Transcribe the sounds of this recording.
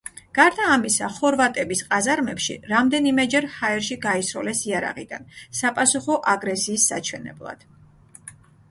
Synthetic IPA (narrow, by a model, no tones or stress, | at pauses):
ɡ̥aɾd̪aːmisa̰χɔɾvat̪ʼɛbisqʼazaɾmɛpʃḭɾamd̪ɛnimɛd͡ʒɛɾhaɛɾʃiɡaisɾɔlɛsiaɾa̰ʁid̪a̰nsapʼasuχɔʔaɡɾɛsiːsːa̰t͡ʃʰwɛnɛ̰blˠa̰d̪̥